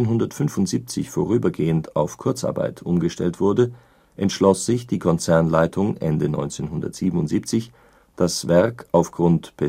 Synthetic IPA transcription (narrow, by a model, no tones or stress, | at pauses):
nɦʊndɐtfʏnfʊntz̥iːp̚t͡sɪ̰çfoːʁ̞yːbɐɡeːəntʰaʊfkʰʊɐt͡sʔa̰ɐba̰ɪtʰʔʊmɡəʃtɛ̰ltv̥ʊɐdə | ʔɛntʃlɔsz̥ɪçd̥iːkʰɔnt͡sɛɐnlaɪtʰʊŋʔɛ̰ndənɔ̰ʏnt͡seːnɦʊndɐ̰tz̥iːbm̩ʊntz̥iːp̚t͡sɪç | d̥asv̥ɛɐkaʊfɡ̥ʁʊntpʰɛ